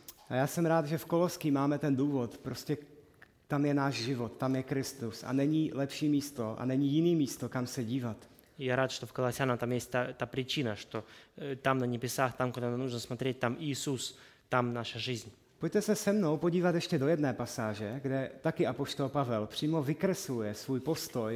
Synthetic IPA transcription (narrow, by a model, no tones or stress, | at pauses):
ʔajaːsɛmɾaːd̪ʒɛfko̞loskimaːmɛt̪ɛnduːvo̞t̪pɾo̞scɛ | t̪amjɛnaːʒʒɪvo̞t̪ːamjɛkɾɪst̪usa̰nɛɲiːlɛpʃiːmiːst̪o̞ʔa̰nɛɲijɪniːmiːst̪o̞kamsɛɟiːvat̪ | jaɾaːt̪ʃt̪ofkɐlˠasʲanat̪amjɛsʲt̚ʲt̪at̪apɾʲɪt͡ʃinaʂt̪ot̪amnɐɲʲɪbʲɪsaxt̪amkod̪ananuʒnɐsmat̪ɾʲet̚ʲt̪amɪjɪsus | t̪amnaʃɐʐɪzʲɲ | poc̚ʲt̪ɛsɛsɛmno̞wpo̞ɟiːvat̪jɛʃcɛdo̞jɛdnɛːpasaːʒɛɡdɛt̪akɪʔapoʃt̪o̞lpavɛlpr̥iːmo̞vɪkɾɛslujɛsvuːjpo̞st̪o̞j